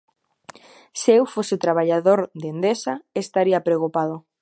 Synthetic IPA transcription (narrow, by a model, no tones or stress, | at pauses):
sewfosɪt̪ɾaβ̞aʎaðoɾd̪end̪esaest̪aɾiapɾekupað̞ʊ